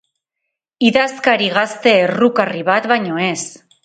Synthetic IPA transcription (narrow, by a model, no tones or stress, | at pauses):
iðaskaɾiɣ̞ast̪e̞ːrukariβat̪βajɲo̞e̞s